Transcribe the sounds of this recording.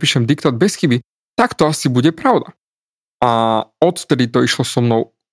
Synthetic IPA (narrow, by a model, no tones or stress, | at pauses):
piːʃɛmd̪ikt̪aːd̪̚bɛsxibi | t̪akt̪ɔasibuɟɛpɾaʊd̪a | aɔt̪ft̪ɛd̪it̪ɔiʃlɔsɔmnɔʊ